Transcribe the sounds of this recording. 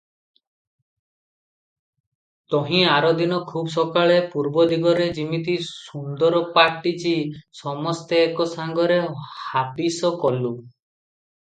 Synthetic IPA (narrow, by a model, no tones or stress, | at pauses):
t̪ɔɦĩaɾɔd̪inɔkʰubsɔkaɭepuɾbɔd̪ʱiɡɔɾed͡ʒimit̪isund̪ɔɾɔpaɾʈit͡ʃisɔmɔst̪eːkɔsaŋɡɔɾehapisɔkɔlu